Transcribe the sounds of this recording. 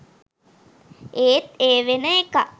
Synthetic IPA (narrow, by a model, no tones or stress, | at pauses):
eːt̪eːʋenəeka